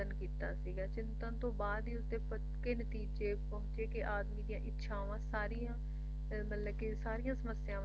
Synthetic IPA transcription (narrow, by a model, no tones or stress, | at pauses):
ənkiːt̪a̰ːsiːɡaːt͡ʃɪnt̪ãːt̪õːbaːd̪iːʊst̪eːpə | keːnət̪iːd͡ʒeːpəɦʊ̃t͡ʃeːkɪʔaːd̪mĩːd̪ɪjãːʔɪtːʃʰãːʋãːsaːɾiːjãː | mət̪ləbkɪsaːɾijãːsəməsːɪjãː